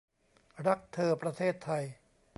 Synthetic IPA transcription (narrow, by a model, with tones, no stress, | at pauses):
ɾa˦˥k̚t̪ʰɤː˧pɾa˧t̪ʰeː˥˩t̪ʰːa˧j